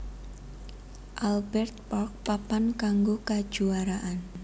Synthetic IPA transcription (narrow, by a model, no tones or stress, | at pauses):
ʔalbɛrt̪̚pɔrk̚papankaŋɡokad̥ʒ̥uaɾaʔan